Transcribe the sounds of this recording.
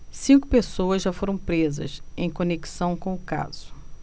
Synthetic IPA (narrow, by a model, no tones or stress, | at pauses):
sĩŋkʊpesowɐzʒafoɾɐ̃w̃pɾezɐ̰sẽj̃koneki̥sɐ̃w̃kõʊka̰z̥ʊ̥